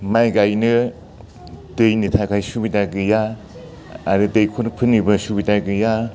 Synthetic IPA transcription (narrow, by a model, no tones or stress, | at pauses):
majɡajnɯ | dɯjnitʰakʰajsubidaɡɯjaː | ɾɯdɯjkʰonpʰɯnːibɯsubidaɡɯja